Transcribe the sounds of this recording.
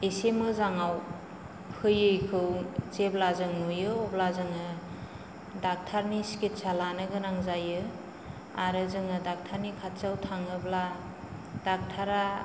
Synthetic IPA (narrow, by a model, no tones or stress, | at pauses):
esemɯzaŋaw | pʰɯjɯjkʰɯwt͡ʃeblazɯŋnujɯɔblazɯŋɯ | dak̚tʰaɾnisket̚salanɯɡɯnaŋzajɯ | aɾɯzɯŋɯdak̚tʰaɾnikʰatsawtʰaŋɯbla | dak̚tʰaɾa